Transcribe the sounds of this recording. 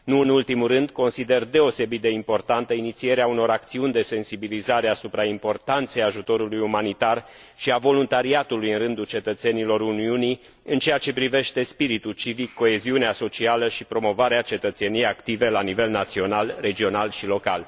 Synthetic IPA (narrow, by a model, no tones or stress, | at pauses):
nuɨnult̪imurɨnd̪ko̞nsid̪e̞rd̪e̞o̞se̞bit̪̚d̪e̞impo̞rt̪ant̪əinit̪sie̞ɾeauno̞ɾakt̪siunʲd̪e̞se̞nsibilizaɾeasupɾaimpo̞rt̪ant̪se̞jaʒut̪o̞ɾulujumanit̪ar | ʃiavo̞lunt̪aɾiat̪ulujɨnrɨnd̪ult͡ʃe̞t̪ət̪se̞nilo̞ɾuniuni | ɨnt͡ʃe̞jat͡ʃe̞pɾive̞ʃt̪e̞spiɾit̪ult͡ʃivikːo̞e̞ziuneaso̞t͡ʃialəʃipɾo̞mo̞vaɾeat͡ʃe̞t̪ət̪se̞nijejakt̪ive̞lanive̞lnat̪sio̞nalre̞d͡ʒio̞nalʃilo̞kal